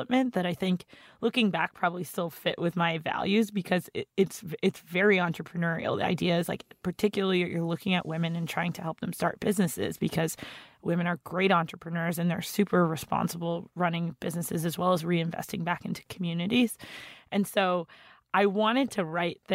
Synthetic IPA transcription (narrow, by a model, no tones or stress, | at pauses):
əp̚mɨ̃nðɨɾaɪθɪ̃ŋklʊkɪ̃ŋbæk̚pʰɹ̥ɑbəblistɪlˠfɪʔwʔɨðmaɪvæ̰lˠjʉzbɨkʰʌzɪɪtsɨtsvɛɹiɑ̃nt͡ʃɹ̥əpʰɹ̥ɨnɜ˞ḭl̩ˠa̰ɪdiɨɨz̥laɪkpʰə˞tʰɪkjl̩ˠəijʔə̰˞lʊkɪ̃ŋɨ̰ʔwɪ̃mɨ̃nɨ̃ntʰɹ̥aɪɪ̃ŋtʰɨhɛlˠp̚ð̃mstɑ̰ɹt̚b̥ɪznɨsɪ̰zbɨkʰʌz̥wɪ̃mɨ̃ñə˞ɡɹeɪɾɑ̃nt͡ʃɹ̥əpʰɹ̥ɨnɜ˞zɨ̃nðə̰˞sʉpʰə˞ɹɨspɑ̰̃nsəbl̩ˠɹʌnɪ̃ŋb̥ɪznɨsɨzɨzwɛlˠəzɹiɨ̃ɱvɛ̰stɪ̃ŋbækɪ̃ntʰʉ̥kʰm̩jʉnɨɾiz̥ʔɨ̃nsoʊʔaɪwɑ̃ɾ̃ɨd̚tʰɨɹaɪt̪̚ðɨ